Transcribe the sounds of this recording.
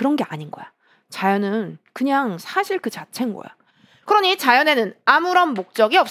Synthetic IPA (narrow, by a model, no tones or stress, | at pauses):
kɯɾʌnɡe̞aɲinɡʌ̰jo | t͡ɕajʌnɯnkɯɲaŋsʰaɕʰiɭkɯt͡ɕat͡ɕʰe̞nɡʌ̰jo̰ | kɯɾʌɲit͡ɕajʌne̞nɯnamuɾʌnmok̚t͡ɕ͈ʌɡiʌps